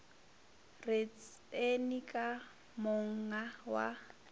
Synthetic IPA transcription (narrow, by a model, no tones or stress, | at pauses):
ret͡s | enikʼa | mʊŋ̩awa̰